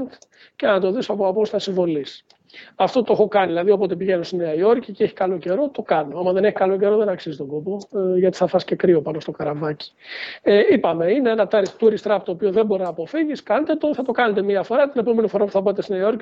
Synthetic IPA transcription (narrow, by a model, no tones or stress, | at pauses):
nt̪ | cenɐt̪o̞ðisoɐpoɐpost̪ɐsiɱvo̞lis | ɐft̪o̞t̪oexo̞kɐniðilɐðio̞po̞t̪epiʝenost̪ineɐio̞ɾciceeçi̥kɐlo̞ce̞ɾo̞t̪o̞kɐnoomɐðe̞ne̞çi̥kɐlo̞ce̞ɾo̞ðe̞nɐksizit̪o̞ɡo̞poʝɐt̪i̥θɐfɐsce̞kɾiopɐno̞st̪o̞kɐɾɐvɐci̥eipɐme̞ineenɐt̪ɐɾit̪uɾist̪ɾɐpt̪o̞ːpioðembo̞ɾinɐːpo̞fiʝiskɐnet̪et̪oθɐt̪o̞kɐnet̪e̞miɐfo̞ɾɐt̪ine̞po̞me̞nifo̞ɾɐpu̥θɐpɐt̪esineio̞ɾci